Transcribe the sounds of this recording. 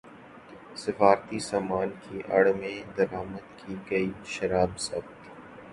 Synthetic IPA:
sɪfaːɾt̪isaːmaːnkiʔɐ̰ɽmẽd̪ɐɾaːməd̪kʰiɡɐiʃɐɾaːbsɐ̰bt̪

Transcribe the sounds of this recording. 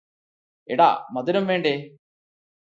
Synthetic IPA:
ḛɽa̰ːmɐd̪iɾɐmʋeːɳɖe

